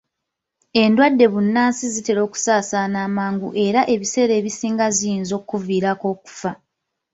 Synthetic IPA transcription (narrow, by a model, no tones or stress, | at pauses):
e̞ndwadːe̞βunːaːnsizite̞ɾo̞ːku̥saːsanaːmaːŋɡuʔe̞ɾaʔe̞βise̞ɾe̞ːβisiːŋɡazijinzo̞ːkːuviːɾako̞ːku̥fa